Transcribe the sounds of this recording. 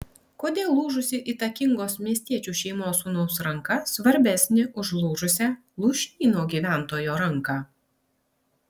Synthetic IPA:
koːd̪ʲeːlˠːuːʒʊsʲɪʔiːt̪ɐkʲɪŋɡoːsmʲiɛsʲt̪ʲiɛt͡ʃʲuːʃʲɛɪmoːsuːnoʊsɾɐŋkɐsʋɐɾʲbʲæsʲnʲɪʔʊʒlˠuːʒʊsʲɛ | lˠuːʃʲiːnoːɡʲiːʋʲæˑnt̪oːjoːɾɐŋkɑː

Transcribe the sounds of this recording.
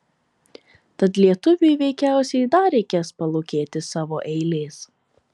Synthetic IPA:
t̪ɐt̪lʲiɛt̪ʊʋʲʊɪʋʲɛɪkʲæˑʊsʲɛɪd̪ɐɾʲɛɪkʲeːspɐlˠoːkʲeːt̪ʲɪsɑːʋoːʔɛɪlʲeːs

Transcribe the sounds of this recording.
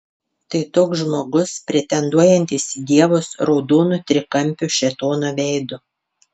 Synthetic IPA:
t̪ɐɪt̪oːkzʒmoːɡʊspʲɾʲɛt̪ʲɛnd̪uɔjɛnʲt̪ʲisʲd̪ʲiɛʋosɾɔʊd̪oːnʊt̪ʲɾʲɪkɐmʲˑpʲʊʃʲɛt̪oːnoːʋʲɛɪd̪ʊ

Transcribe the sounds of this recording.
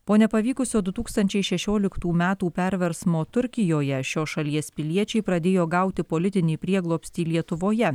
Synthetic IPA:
poːnʲɛpɐʋʲiːkʊsʲoːd̪ʊt̪uːkst̪ɐnʲt͡ʃʲɛɪʃʲɛʃʲoːlʲɪkt̪uːmʲæːt̪uːpʲɛɾʲʋʲɛɾsmoːt̪ʊɾʲkʲɪjoːjɛʃʲoːʃɐlʲiɛspʲɪlʲiɛt͡ʃʲɛɪpɾɐd̪ʲeːjoːɡɐʊt̪ʲɪpolʲɪt̪ʲɪnʲɛːpʲɾʲiɛɡlˠoːpʲsʲt̪ʲiːlʲiɛt̪ʊʋoːjɛ

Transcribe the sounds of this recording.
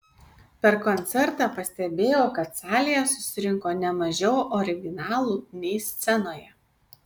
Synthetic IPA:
pʲɛɾkɔnʲt̪sʲɛɾt̪ɑːpɐsʲt̪ʲɛbʲeːjoːkɐt̪sɑːlʲɪjɛsʊsʲɪɾʲɪŋkoːnʲɛmɐʒʲɛʊɔːɾʲɪɡʲɪnɑːlˠuːnʲɛɪsʲt̪sʲɛnoːjɛ

